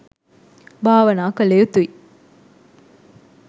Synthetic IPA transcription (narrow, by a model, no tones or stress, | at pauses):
bʱaːʋɐnaːkɐleːut̪ui